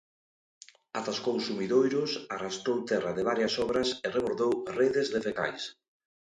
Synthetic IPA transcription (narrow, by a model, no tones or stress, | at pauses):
at̪askonsumiðojɾʊsarast̪owt̪ɛrɐðɪβaɾjɐsɔβɾɐsereβoɾðowreðɪzðefekajs